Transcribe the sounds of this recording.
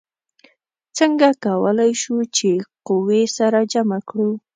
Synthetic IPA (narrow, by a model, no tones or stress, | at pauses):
t͡səŋɡakawəlajʃut͡ʃeqʊwesaɾad͡ʒamakɽu